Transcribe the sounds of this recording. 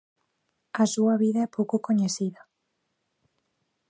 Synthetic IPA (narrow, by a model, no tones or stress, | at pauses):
ɐsuɐβiðaɛpowkokoɲesiðɐ